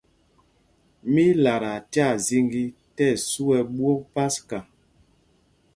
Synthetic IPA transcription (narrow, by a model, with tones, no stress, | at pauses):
mi˦la˨ɾa˨tja˦˨zi˦ŋɡi˦tɛ˦˨su˦ɛ˨ɓwo˦pa˦ska˨